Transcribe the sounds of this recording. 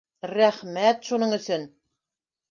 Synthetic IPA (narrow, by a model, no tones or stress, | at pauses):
ræχmæt̪ʃunɤɴɵ̆sɵn